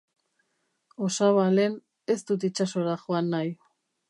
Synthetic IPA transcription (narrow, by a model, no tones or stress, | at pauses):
o̞saβale̞n | e̞st̪ut̪it͡ʃaso̞ɾaxoanːaj